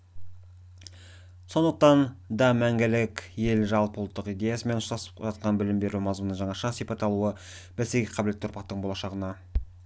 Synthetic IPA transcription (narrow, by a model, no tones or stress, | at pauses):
so̞nd̪əq̚t̪ɑnd̪ɑmæŋɡʲɪlɪkʲje̞lʒɑlˠpəʊlˠt̪ːəqijd̪e̞jɑsəme̞nʊst̪ɑsə̥pʒɑt̪̚qɑnbɪlɪmbe̞ɾumɑzmunəɴʒɑɴɑʃɑsijpɑt̪ɑlˠuə | b̥ælseɡʲeqʰɑblet̪ːʊɾpɑqt̪əɴbo̞lˠɑʃɑʁənɑ